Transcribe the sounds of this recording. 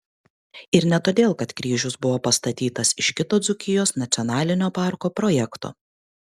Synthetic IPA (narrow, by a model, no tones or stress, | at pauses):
ɪɾnʲɛt̪oːd̪ʲeːlˠkɐt̪kɾʲiːʒʲʊsbʊʋoːpɐst̪ɐt̪ʲiːt̪ɐsɪʃkʲɪt̪oːd̪zʊkʲɪjoːsnɐt̪sʲɔnɑːlʲɪnʲoːpɑˑɾkoːpɾɔːjɛkt̪o̰ː